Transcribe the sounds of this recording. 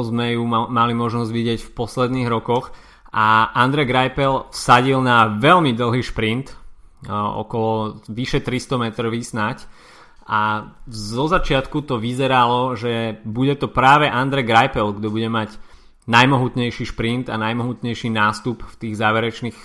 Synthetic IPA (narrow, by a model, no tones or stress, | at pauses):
zmɛjumalimɔʒnɔzɟʋiɟɪɛcfpɔslɛd̪niːɣɾɔkɔx | ʔaʔand̪ɾɛɡɾajpɛlsaɟilnaʋɛlmid̪l̩ˠɦiːʃpɾint̪ | ɔ̰kɔlɔʋiʃɛt̪ɾist̪ɔmɛt̪ɾɔʋisnac | ʔazɔzat͡ʃɪat̪kut̪ɔʋizɛɾalɔʒɛbuɟɛt̪ɔpɾaːʋɛʔand̪ɾɛɡɾajpɛlɡd̪ɔbuɟɛmaɟ | najmɔɦut̪ɲɛjʃiːʃpɾint̪a̰najmɔɦut̪ɲɛjʃinaːst̪upft̪iːɣzaːʋɛɾɛt͡ʃniːx